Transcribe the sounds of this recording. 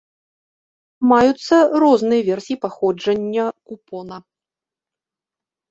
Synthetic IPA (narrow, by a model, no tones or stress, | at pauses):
majut̪sːɐrɔznɨjɐvʲɛrsʲijipaxɔd͡ʐɐnʲːɐkupɔnɐ